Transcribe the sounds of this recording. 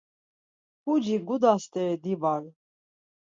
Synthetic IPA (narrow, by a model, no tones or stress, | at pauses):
pud͡ʒiɡud̪ast̪ʼɛɾd̪ibaɾ